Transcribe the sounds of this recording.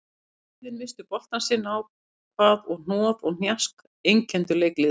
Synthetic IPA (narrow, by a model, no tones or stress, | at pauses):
iðɪnmvɪst̪ʏpɔr̥t̪ansɪnaw | kʰvaːðɔɣn̥ɔːðɔɣn̥jask | ejŋcʰɛnt̪ʏleːjklɪ